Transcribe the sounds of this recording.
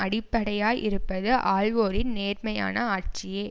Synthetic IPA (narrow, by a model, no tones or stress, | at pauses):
ɐɽɪpːɐɽɐjaːjʔɪɾɯpːɐðɯʔaːɻʋoːɾɪnneːɾmɐja̰ːnɐaːʈ̚t͡ʃɪjeː